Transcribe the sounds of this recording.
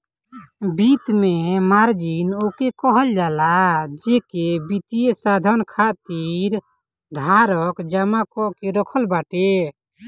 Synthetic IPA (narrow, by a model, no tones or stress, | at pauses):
bit̪mɛmaɾd͡ʒinokɛkɔɦɔld͡ʒalad͡ʒɛkɛbit̪ieʔsad̪ʱɔnkʰaʔt̪iɾ | d̪ʱaɾɔkd͡ʒamakɔʔkɛɾɔkʰɔlbaʈɛ